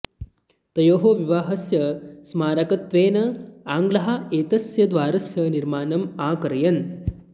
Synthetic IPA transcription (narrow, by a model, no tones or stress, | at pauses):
t̪ɐjoːɦoʋiʋaːɦɐsjɐsmaːɾɐkɐt̪ʋeːnɐaːŋɡlɐɦɐeːt̪ɐsjɐd̪ʋaːɾɐsjɐniɾmaːnɐmaːkɐɾɐjɐn